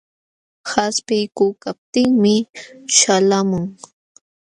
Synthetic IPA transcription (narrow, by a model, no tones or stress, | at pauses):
haspɪjkʊːkap̚t̪ɪŋmɪʃalamʊŋ